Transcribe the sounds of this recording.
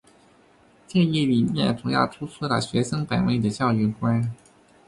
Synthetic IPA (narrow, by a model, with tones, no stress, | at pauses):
t͡ɕjɛ˥˧njɛ˥˩li˨˩mjɛ̰˥˩nʈ͡ʂʰʊ˧˥ja̰˥˩ʈ͡ʂ̪ʰu˥t͡sʰɤ˥lə̰˨˩ɕɥɛ˧˥ʂɤ˥ŋpa˨˩nwe˥˩ɪd̪ə˨t͡ɕjɑ˥˧ʊy˥˩kwa˥n